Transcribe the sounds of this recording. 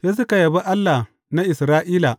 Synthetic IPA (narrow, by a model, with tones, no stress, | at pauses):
se˦s̬ʊ˦ka˨jɐ˨bi˦ʔa˦lːa˨ | na˦ʔɪ˨sɾaː˦ʔiː˦la˨